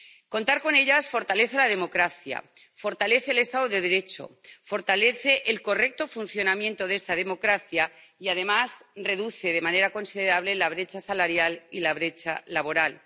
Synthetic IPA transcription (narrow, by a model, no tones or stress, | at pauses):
ko̞nt̪aɾko̞ne̞ʎasfo̞ɾt̪ale̞θelað̞e̞mo̞kɾaθja̰ | fo̞ɾt̪ale̞θeːle̞st̪aðoðe̞ðe̞ɾe̞t͡ʃo̞̰fo̞ɾt̪ale̞θe̞ʔelko̞re̞k̚t̪o̞funθjo̞namjent̪o̞ðe̞st̪aðe̞mo̞kɾaθjaiað̞e̞masre̞ðuθe̞ð̞e̞mãne̞ɾako̞nsiðe̞ɾaβ̞le̞laβ̞ɾe̞t͡ʃasalaɾjalilaβ̞ɾe̞t͡ʃa̰laβ̞o̞ɾal